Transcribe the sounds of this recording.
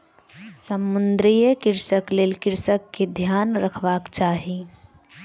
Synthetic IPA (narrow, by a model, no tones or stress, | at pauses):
səmːʊnd̪ɾijəkɪɾsəkleːlkɪɾsəkːed̪ʱjaːnɾəkʰʋaːkt͡ʃaːɦi